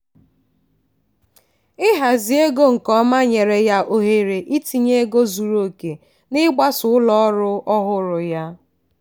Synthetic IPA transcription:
ɪ˦ɦa˨zi˨e˦ɡo˦ŋ̩˨kɔ˦ma˦ɲe˨ɾe˨ja˦ʔo˨ɦe˨ɾe˨ʔi˦ti˨ɲe˦e˦ɡo˦zu˨ɾo˨ke˨ | nɪ˦ɡ͡ba˦sʊ˨ʊ˦lɔ˦ɾʊ˦ɔ˦ɦʊ˦ɾʊ˨ja˦

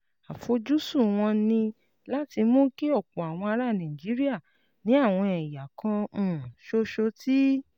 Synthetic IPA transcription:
a˨fo˧˦d͡ʒu˦su˦˨w̃ɔ̃˧nĩ˧ | la˦ti˧mõ˦ke˦ɔ˦˨k͡pɔ˨a˨w̃ɔ̃˧a˧ɾa˦˨nã˨d͡ʒi˨˦ɾi˦a˦˨ | nĩ˨˦a˦˨w̃ɔ̃˧ɛ˨ja˨kʰã˧˨ʃo˧ʃo˧ti˦

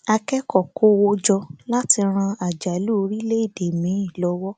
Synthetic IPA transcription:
a˧kɛ˦kɔ˦˨ko˦wo˦d͡ʒɔ˧la˦ti˧ɾ̃ã˧a˨d͡ʒa˨lu˦o˧ɾi˦le˦i˦˨de˨mĩ˨˦ĩ˦˨lɔ˨˦wɔ˦

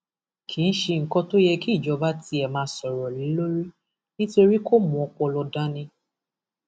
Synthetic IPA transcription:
kʰi˨˦ñ̩˦ʃe˧ŋ̩˨kɔ˧to˦jɛ˧ki˦˨d͡ʒɔ˨˧˦ba˦ti˧˦ɛ˨mãː˨˧˦sɔ˨ɾɔ˨lĩ˨˦lo˦ɾi˦ | nĩ˦to˧ɾi˦ko˦mɔ̃˨ɔ˧k͡pɔ˧lɔ˧da˦nĩ˧

